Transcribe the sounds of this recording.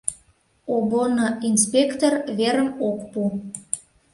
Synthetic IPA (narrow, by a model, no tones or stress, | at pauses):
obonoinspʲekt̪orβeɾəmokpu